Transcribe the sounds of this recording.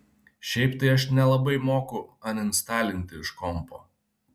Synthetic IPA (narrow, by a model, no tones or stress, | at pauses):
ʃʲɛɪpt̪ɐɪɐʃnʲɛlˠɐbɐɪmoːkʊɐnɪnst̪ɑːlʲɪnʲt̪ʲɪɪʃkɔmpo̰ː